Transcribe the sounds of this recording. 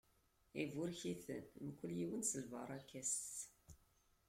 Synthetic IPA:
ivʊɾçiθə̰nmkʷːəljiwənsəlvɑ̰ɾˤækːæs

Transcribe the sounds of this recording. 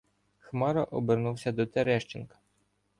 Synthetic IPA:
xmɑɾɐʔɔbernuwsʲɐd̪ɔt̪eɾɛʃt͡ʃɪnkɐ̥

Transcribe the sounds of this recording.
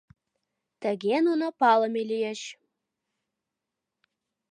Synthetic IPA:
t̪ə̆ɡʲenunopɑlˠɤ̆melʲijeɕ

